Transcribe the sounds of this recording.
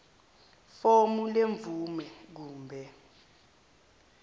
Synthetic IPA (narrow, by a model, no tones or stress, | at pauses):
fomuleɱvumɛk̬uːmbʱɛ